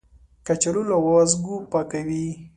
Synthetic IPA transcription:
kat͡ʃalulawɔzɡupakawi

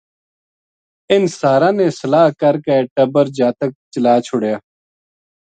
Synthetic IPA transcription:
ɪnsaːɾãːneːsəlaːɦkəɾkeeʈəbəɾd͡ʒaːt̪ək̚t͡ʃəlaːt͡ʃʰʊɽjaː

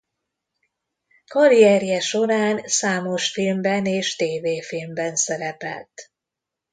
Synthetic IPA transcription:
kɒɾiɛrjɛʃo̞ɾaːnsaːmo̞ʃfilmbɛneːʃt̪eːveːfilmbɛnsɛɾɛpɛ̰lt̪

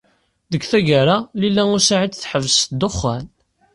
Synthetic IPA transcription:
ðəkθæʝaɾalilːæʊɾsaʕit͡sθħəvsd̪oχːæn

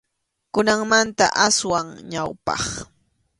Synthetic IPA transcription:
kʊnaŋmant̪a̰ʔaswaŋɲawpɑ̰χ

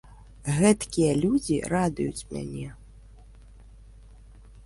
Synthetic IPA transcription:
ɣɛt̪kʲijɐlʲud͡zʲḭrad̪ujut͡sʲmʲa̰nʲɛ

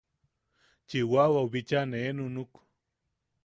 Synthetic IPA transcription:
t͡ʃiwawauβit͡ʃaneenunuku̥

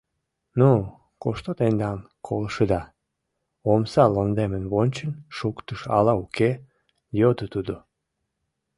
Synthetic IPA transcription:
nu | koʃt̪ot̪end̪ɑn | kʰoləʃəd̪ɑ | omsɑlond̪emənβonʲt͡ɕənʃukt̪əʃɑ̰lɑuke | jod̪ət̪ud̪o

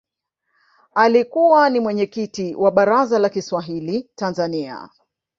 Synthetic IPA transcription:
alikuwanimwɛɲɛkitiwʔaɓaɾazalakiswaɦilitanzania̰

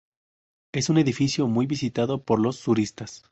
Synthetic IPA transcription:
e̞sune̞ðifisjo̞mujβisit̪aðo̞po̞ɾlo̞sːuɾist̪as

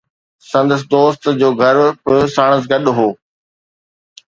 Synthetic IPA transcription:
sɐ̃nd̪əs̬d̪oːst̪d͡ʑoːɡʱɐɾbʊsaːɽ̃əs̬ɡɐɗɦoː

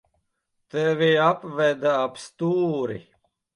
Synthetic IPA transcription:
t̪ɛʋiapʋɛd̪aapst̪uːɾḭ

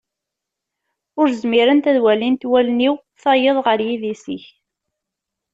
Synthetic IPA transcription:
ʊɾzmiɾənt̪æðwælint̪wælniw | θɑjəðˤʁəɾjiðisiç

